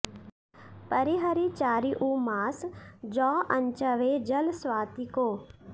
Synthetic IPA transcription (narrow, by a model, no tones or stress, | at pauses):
pəɾiɦəɾit͡ʃaːɾiʔuːmaːsd͡ʒɔːʔɐ̃ɲt͡ʃəʋeːd͡ʒəlswaːt̪ikoː